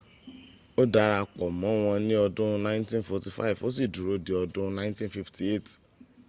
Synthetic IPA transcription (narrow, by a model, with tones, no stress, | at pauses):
o˦da˧ɾa˧˨k͡pɔ˨mɔ̃˨˦w̃ɔ̃˧nĩ˦ɔ˧dʊ̃˦nã˦ɪ̃˦ntĩ˦nfɔ˨ti˨fa̰˦i˨vo˦s̬i˨du˨ɾo˨˦de˨ɔ˧dʊ̃˦nã˦ntĩ˦nfi˧fti˨e˦˨ti̥˨